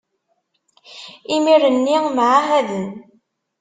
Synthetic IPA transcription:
imiɾənːiŋməʕaɦæðən

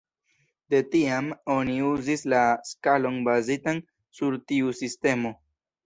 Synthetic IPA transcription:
de̞tiamo̞niuzislaskalo̞nbazitan | suɾtiusiste̞mo̞

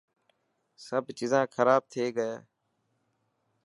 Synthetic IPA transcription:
səbt͡ʃɪzãːkʰəɾaːb̚t̪ʰeːɡəeː

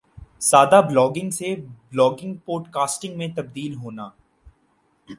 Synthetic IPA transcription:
saːd̪ablɔːɡɪ̃ŋɡseblɔːɡɪ̃ŋɡ̚poːɖkaːsʈɪ̃ŋɡmẽt̪ɐb̚d̪iːlɦoːnaː

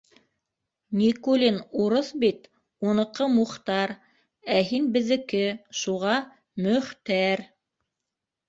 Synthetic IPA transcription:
nʲikulʲinuɾoθbit̪ | unɤ̆qɤmuχt̪ɑɾ | æɦinbɘ̆ðɘ̆kɘʃuʁɑ | mɵ̆χt̪æɾ

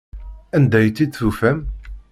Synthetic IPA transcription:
ænd̪æjt͡s̪ːid̪θufæm

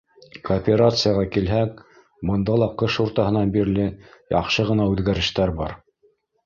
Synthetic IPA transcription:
koːpʲeɾat̪sɨjɑʁɑkilɦæk̚ | bɤ̆nd̪ɑlˠɑqɤʃuɾt̪ɑɦɤ̆nɑnbiɾlɘjɑ̰qʃɤʁɤ̆nɑʉðɡæɾɘ̆ʃt̪æɾbɑɾ

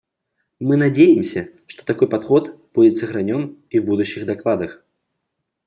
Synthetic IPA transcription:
mɨnad͡zʲejɪmsʲɐʂt̪ɔ̥t̪akɔjpat̪xɔt̪ | b̥ud͡zʲɪsɐɣɾanʲɔniwbud̪uɕːiɣd̪aklˠad̪ɐx

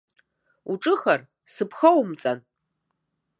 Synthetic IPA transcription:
uʈ͡ʂʼɨxɐr | sɨpʰxɐwmt͡sʼan

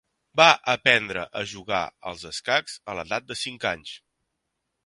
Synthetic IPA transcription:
baʔəpɛnd̪ɾə̰ʔəʒuɣa̰ə̰lˠzəskakz̥ələðat̪̚d̪əsiŋkaɲs

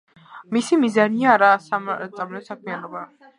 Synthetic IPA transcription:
misimizaniaːɾasat̪sʼamlɛɔsak̚ʰmianɔba

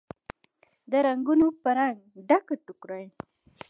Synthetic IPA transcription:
d̪əɾaŋɡunopəɾaŋɡɖakat̪ʊkɾaj

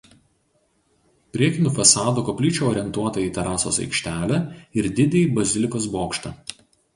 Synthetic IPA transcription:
pʲɾʲiɛkʲɪnʲuːfɐsɑːd̪uːˑkopʲlʲɪˑt͡ʃʲuːɔːɾʲɛnt̪uɔt̪ɐiːt̪ʲɛɾɑːso̰ːsɐ̰ɪkʃʲt̪ʲæːlʲæɪɾd̪ʲɪd̪ʲeibɐzʲɪlʲɪkoːsboːkʃt̪ɐˑ

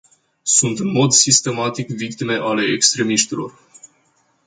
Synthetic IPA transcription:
sunt̪ɨnmo̞d̪sist̪e̞mat̪ikvik̚t̪ime̞ʔale̞ekst̪ɾe̞miʃt̪ilo̞̰r

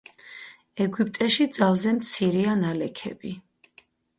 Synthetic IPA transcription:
ɛɡipʼt̪ʼɛʃid̪zalˠzɛmt̪sʰiɾianalɛkʰɛ̰bi

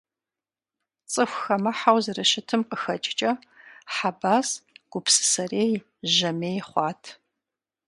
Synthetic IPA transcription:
t͡sʼɨxʷxɐmɐħawzɨrɨʃɪtʰɨmqəxɐt͡ʃʼt͡ʃʼɐ | ħabaːsɡ̥ʷʊpsɨ̥sɐreːj | ʒɐmeːjχʷɑːtʰ

